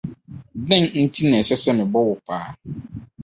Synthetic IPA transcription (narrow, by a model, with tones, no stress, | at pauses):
dɪ̃˦nn̩˦tʰi˦nɛ̃˨sɛ˦sɛ˦mɪ̃˨bɔ˦wʊ˨pʰaː˨˦˨